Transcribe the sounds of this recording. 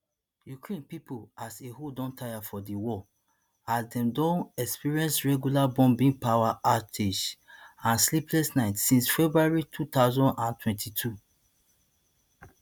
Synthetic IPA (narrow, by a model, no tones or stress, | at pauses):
jukɹẽnpipolasehodɔ̃ntʰajafɔdiwɔ | asdɛ̃mdõnɛkspiɹiɛ̃nsɹɛɡjulabɔ̃mbĩŋpawaʔatʰeʃãnsliplɛstnaɪtsĩnsfɛbɹuaɹitʰutaʊzɔ̃ndãntwɛ̃ntʰitʰu